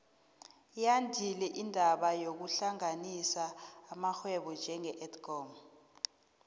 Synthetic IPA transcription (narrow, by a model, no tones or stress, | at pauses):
jandʱilɛʔindʱaɓajok̬uɬaŋanisaːmaxwɛɓɔnd͡ʒʱɛŋɛʔɛtʰkɔm